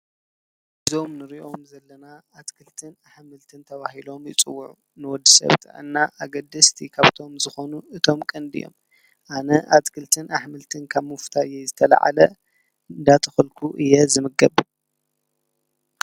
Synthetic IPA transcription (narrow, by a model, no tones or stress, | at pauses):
ʔɨzo̞mnɨɾiʔo̞mzɐlːɐnaat̪kʰɨlt̪ʰɨnaħmɨlt̪ʰɨnt̪ʰɐβahilo̞mjɪt͡sʼɨwːuʕu | nɨwɔd̪ːɨsɐ̰βt̪ʰɐ̰ʕɨ̰nːaʔaɡɐd̪ːɨst̪ʰikʰaβt̪ʰo̞mzɨxo̞nuɨt̪ʰo̞mkʼɨnd̪ḭjo̰m | ʔanɐʔat̪kʰɨlt̪ʰɨnaħmɨlt̪ʰɨnkʰaβmɨft̪ʰajːɛzɨt̪ʰɐla̰ʕa̰lɐ | d̪at̪ʰɐ̥xɐlkʰuʔɨjːɛzɨmɨɡɐb